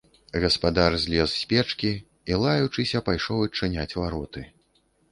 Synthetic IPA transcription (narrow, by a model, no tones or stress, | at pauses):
ɣɐspad̪arzʲlʲɛssʲpʲɛt͡ʂkʲi | ilˠajut͡ʂɨsʲɐpajʂɔwɐt͡ʂːɨnʲat͡sʲvaɾɔt̪ɨ